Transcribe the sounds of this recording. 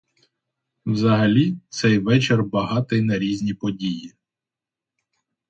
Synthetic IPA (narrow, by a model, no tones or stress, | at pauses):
wzɐɦɐlʲit̪sɛjʋɛt͡ʃerbɐɦɑt̪ɪjnɐɾʲizʲnʲipɔdʲiji